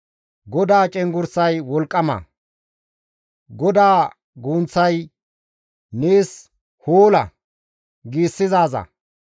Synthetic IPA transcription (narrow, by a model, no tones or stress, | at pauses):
ɡɔd̪aːt͡ʃʼɛŋɡʊɾsɐjwɔlkʼːɐmɐ̰ | ɡɔd̪aː | ɡuːnt͡sːɐj | neːs | hoːlɐ̰ | ɡiːsːɪzaːzɐ̰